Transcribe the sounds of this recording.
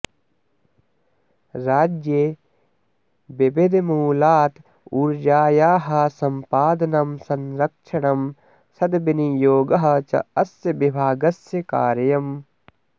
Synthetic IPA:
ɾaːd͡ʒje | bebed̪muːlaːt̪ | uɾd͡ʒaːjaːɦɐsɐmpaːd̪ɐnɐmsɐnɾɐkʃʰɐɳɐm | sɐd̪binijoːɡɐɦɐ̆t͡ʃɐ̰ɐsjɐbibʱaːɡɐsjɐka̰ːɾjɐm

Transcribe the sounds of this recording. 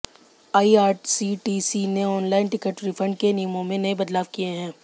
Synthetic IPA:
aːiaːɾʈsiʈiːsineɔːnlaːɪnʈɪkəʈɾifʰɐ̃ɳɖ̚kenijəmõmẽnɐebɐd̪laːʋkijeɦɛ̃ː

